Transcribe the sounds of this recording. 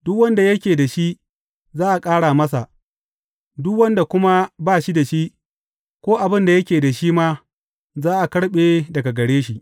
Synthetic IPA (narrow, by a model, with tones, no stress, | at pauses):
dʊ˦kwɐ˦nda˨jɐ˦kʲeː˨da˨ʃi˦ʔ | zaː˦ʔa˨kʼaː˦ɽaː˨mɐ˦s̬a˨ʔ | dʊ˦kwɐ˦nda˨kʷʊ˦ma˦baː˦ʃi˦da˨ʃi˦ʔ | kʷoː˦ʔa˨bɪ˦nda˨jɐ˦kʲeː˨da˨ʃi˦ma˦ | zaː˦ʔa˨kɐ˦ɽɓeː˦dɐ˨ɡa˨ɡɐ˨ɽeː˦ʃi˨ʔ